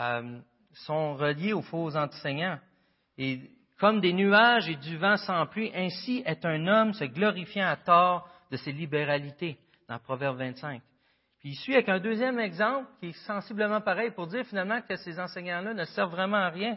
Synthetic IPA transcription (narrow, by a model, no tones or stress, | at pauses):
m | sɔ̃ʁəljeofozɑ̃t̪ə̥sɛɲɑ̃ | e | kɔmd̪enyaʒed̪yvãsɑ̃plɥiʔɛ̃siɛt̪ɛ̃nɔmsəɡlɔʁifjãat̪ɑːʁ | d̪əselibeʁalit̪e | d̪̥ɑ̃pʁɔvɛʁbvɛ̃t̪sɛ̃k̚ | piːsɥiavɛkɛ̃d̪øːzjɛmɛɡzɑ̃plkʲiɛsɑ̃sibləmɑ̃paʁɛjpʊʁd̪ziːʁfinalmɑ̃kəsezɑ̃sɛɲɑ̃lʌnəsɛʁvːʁɛmɑ̃aʁjɛ̃